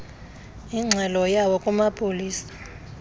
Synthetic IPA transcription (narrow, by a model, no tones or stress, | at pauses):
iŋ͡ǀʱɛlɔjawɔkʼumapʼoliːsḁ